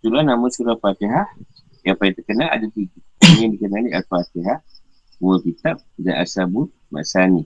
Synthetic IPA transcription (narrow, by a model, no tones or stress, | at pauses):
suɾanamunsuɾafat̪iɦah | japajit̪əkənala̰dat̪iɡiandikənanialfat̪iɦah | buəkit̪ap̚danʔa̰sabu | ma̰sani